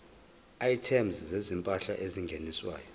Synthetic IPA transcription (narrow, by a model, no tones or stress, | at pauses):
aitʰɛmzzezimpʼaɬa̰ʔeziŋɡʱeniswa̰ːjɔ